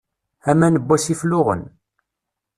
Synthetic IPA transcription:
æmænəbːæsiflʊʁə̰n

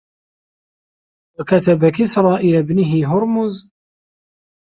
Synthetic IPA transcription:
wakat̪abakɪsɾˤɑːʔɪjabnɪɦɪɦʊɾmʊz

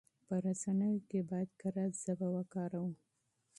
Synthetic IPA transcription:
pəɾasanəjokebɑjad̪kaɾaz̥abawakɑɾawu

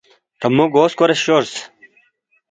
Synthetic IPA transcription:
t̪ɐmuɡoːskoɾeɕɕoɾs

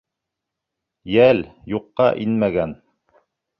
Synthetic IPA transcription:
jæljuqːɑʔinmæɡæn

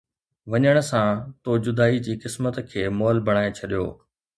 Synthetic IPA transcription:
ʋɐɲəɽ̃ʊ̆sãt̪od͡ʑʊd̪aːid͡ʑiːkɪsmət̪kʰeːmɔːlbʱɐɽ̃aːet͡ɕʰɐɗijo̰ː

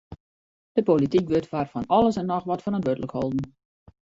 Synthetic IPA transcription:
d̥əpolitikʋøtʋaːrfɔnɔlˠəsɛnːɔxʋɔtfənɔntʋødələkhɔlˠdn̩

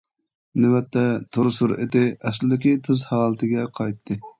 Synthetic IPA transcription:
nɪwɛt̪ːɛt̪ʰoɾsuɾḛt̪ɪɛslɪd̪ɪkʲit̪ʰɨzhɑːlˠət̪ʰɨɡʲɛqʰɑjt̪ʰːɨ

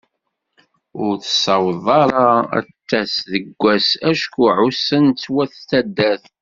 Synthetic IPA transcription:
ʊɾθə̥sɑwðˤɑɾˤɑæ̰t̪ːæsðəɡʷːæsæʃkuʕusənt͡sːwæθt̪ːæd̪ːæθ

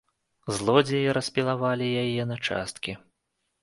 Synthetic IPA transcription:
zlˠɔd͡zʲɛjɛɾɐsʲpʲilˠavalʲijajɛnɐt͡ʂa̰st̪̚kʲi

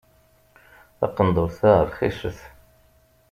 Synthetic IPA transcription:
θɑ̰qːənd̪ˤʊɾθæʁəɾˤχiʃəθ

